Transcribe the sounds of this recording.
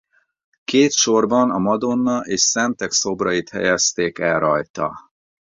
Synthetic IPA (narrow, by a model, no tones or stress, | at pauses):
keːt̪ʃo̞rbɒnɒmɒd̪o̞nːɒʔeːʃsɛnt̪ɛkso̞brɒjit̪hɛ̰jɛst̪eːkɛlrɒjt̪ɒ̰